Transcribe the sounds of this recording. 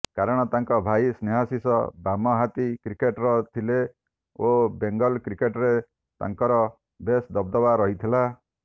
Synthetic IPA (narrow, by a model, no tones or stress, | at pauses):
kaɾɔɽ̃ɔt̪aŋkɔbʱajsneɦasisɔ̰bamɔɦat̪ikɾikeʈɾɔt̪ʰile | obeŋɡɔlkɾikeʈɾe | t̪a̰ŋkɔɾɔ | besd̪ɔbd̪ɔbaɾɔɦit̪ʰila